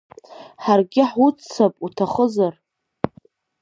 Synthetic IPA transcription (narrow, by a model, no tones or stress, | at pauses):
ħarɡʲɪħut͡sʰːapʼutʰaχəzar